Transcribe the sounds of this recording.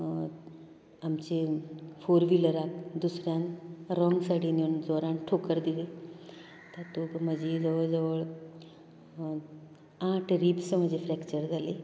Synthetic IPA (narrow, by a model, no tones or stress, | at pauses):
amt͡ɕefoɾʋiləɾakd̪usɾjãnɾɔŋɡsaʈʰiːnind͡zɔɾãɳʈʰokəɾd̪ile | t̪əɾt̪om̤əd͡ʑed͡zəʋəɭd͡zəʋəɭ | ãʈʰɾipsm̤əd͡ʑʱefɾɛkt͡ɕəɾd͡zʱale